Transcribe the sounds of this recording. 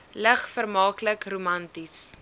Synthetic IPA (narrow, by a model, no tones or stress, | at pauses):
ləχfərmɑːkləkrumɐntis